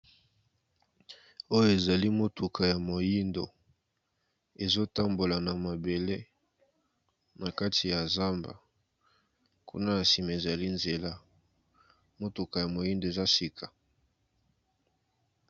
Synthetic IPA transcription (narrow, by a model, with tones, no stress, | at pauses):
o˦jo˦˨e˨za˨li˦mo˦tu˨kʰa˨ja˨mo˨ji˦ndo̰˨ | e˨zo˦ta˦mbo˨la˨na˨ma˨be˨le˦ | na˨ka˦tʰi˨ja˨za˦mba̰˨ | kṵ˦na˦ja˨si˨me˨e˨za˨li˦nze˨la˦ | mo˦to˨ka˨ja˨mo˨ji˦ndo˨e˨za˦si˨kʰa˨